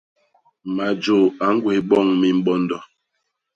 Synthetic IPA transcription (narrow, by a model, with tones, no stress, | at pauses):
ma˨d͡ʒo˨a˨˦ŋ̩˦ɡwe˨˦ɓɔ˦˨ŋmi˦m̩˦ɓɔ˦n˦dɔ˨